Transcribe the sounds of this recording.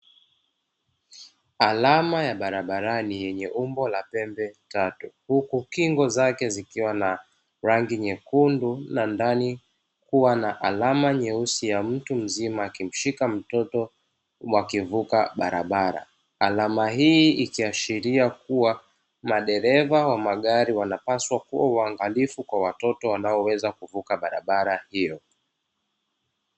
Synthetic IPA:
alamajaɓaɾaɓaɾanijɛɲɛʔumbɔlapɛmbɛtatuhukukiŋɡɔzakɛzikiwana | ɾaŋɡiɲɛkundunandani | kuwanaʔalamaɲɛusijam̩tum̩zimaːkim̩ʃikam̩tɔtɔ | wakivukaɓaɾa̰ɓaɾa̰ | alamaɦiikiaʃiɾiakuwa | maɗɛɾɛvawamaɠaɾiwanapaswakuwawaŋɡalifukwawatɔtɔwanaɔwɛzakuvukaɓaɾa̰ɓaɾahijɔ

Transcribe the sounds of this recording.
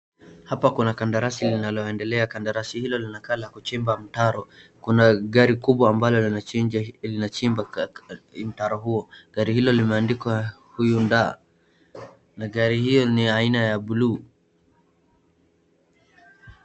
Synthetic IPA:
hapakunakandaɾasilinalɔɛndɛlɛakandaɾasihilɔlinakalakut͡ʃimbam̩taɾɔkunaɠaɾikuɓwaːmbalɔl | linat͡ʃimba | m̩taɾɔɦuɔɠaɾihilɔlimɛandikwa | hujunda̰ː | naɠaɾihijɔniainajaɓuluː

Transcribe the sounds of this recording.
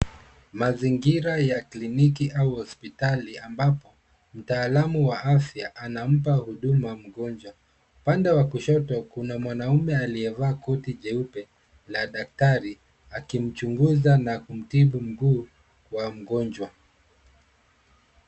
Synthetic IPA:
maziŋɡiɾajaklinikiʔauhɔspitaliambapɔ | m̩taːlamuwaʔafjaʔanam̩p̬ahuɗumam̩ɠɔnd͡ʒwa | upandɛwakuʃɔtɔkunamwanaumɛaliɛvaːkɔtiʄɛupɛ | laɗak̚taɾi | akim̩t͡ʃuŋɡuzanakum̩tiɓum̩ɡuː | wam̩ɠɔnd͡ʒwa

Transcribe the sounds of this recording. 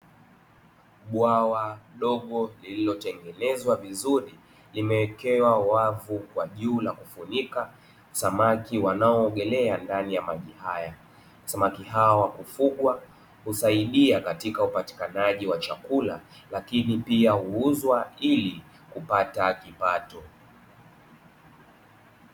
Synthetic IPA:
ɓwawaɗɔɠɔlililɔtɛŋɡɛnɛzwavizuɾi | limɛwɛkɛwawavukwaʄuːlakufunika | samakiwanaɔːɡɛlɛandanijamaʄihaja | samakiɦawɔwakufuɠwa | husaiɗiakatikaupati̥kanaʄiwat͡ʃakula̰ | lakinipiahuuzwaili | kupatakipatɔ

